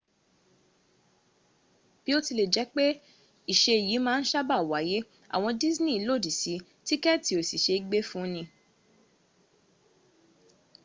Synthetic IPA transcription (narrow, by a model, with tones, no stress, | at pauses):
b̥i˦o˦ti˧le˨d͡ʒɛ˨˦k͡pe˦ | i˨ʃe˧i˨jiː˨˦mãː˦˧n̩˦ʃa˦ba˦˨wa˨˦je˦ | a̰˨w̃ɔ̃˧di˦znĩ˦˨˦lo˦˨di˨si˨˦ | ti˦kɛ˦˨ti˨˦o˦˨si˨ʃe˧i˦ɡ͡be˦fũ˦nĩ˧